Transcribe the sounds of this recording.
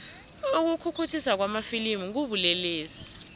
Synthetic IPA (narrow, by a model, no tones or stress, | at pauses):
uk̬ukʰukʰutʰisak̬wamafilimuŋk̬uɓulɛleːsi̥